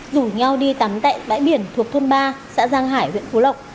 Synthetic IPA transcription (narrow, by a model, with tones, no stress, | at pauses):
zu˧˩ɲa˧wɗi˧t̪a˨˦mt̪a̰ː˧˨jɓa̰ː˧˥jɓi˧˩ənt̪ʰu˨˩ək̚t̪ʰo˧nɓaː˧sa̰ː˧˥zaː˧ŋɦaː˧˩jhwḭ˧˨ənfu˨˦lə˨˩wk͡p̚